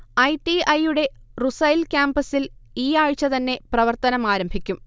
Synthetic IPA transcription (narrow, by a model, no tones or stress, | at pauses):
ɐjʈiɐjuɽe̞rusɐjlkʲaːmbɐsiliːaːɻt͡ɕːɐt̪ɐnːe̞prɐʋɐrt̪ɐnɐmaːɾɐmbʱikʲːum